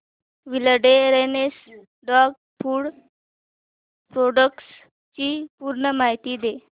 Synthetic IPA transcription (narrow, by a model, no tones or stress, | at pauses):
ʋiləɖeɾenes | ɖɔɡ̚ | pʰuːɽ | pɾoɖəks | t͡ɕiːpuːɾɳəmaɦit̪iːd̪e